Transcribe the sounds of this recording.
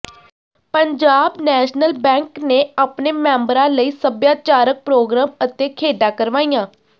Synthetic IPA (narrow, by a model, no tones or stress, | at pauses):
pəɲd͡ʒaːbnɛːʃnəlbɛ̃ːŋkneːaːpneːmɛ̃ːmbɾãːləiːsəbjaːt͡ʃaːɾək̚pɾoːɡɾaːmət̪eːkʰeːɖãːkəɾʋaːijãː